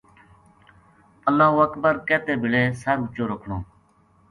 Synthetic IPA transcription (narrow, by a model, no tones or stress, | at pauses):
əlːãːʋək̪̚bəɾkɛːt̪eːbɪɭeːsəɾʊt͡ʃoːɾəkʰɳoː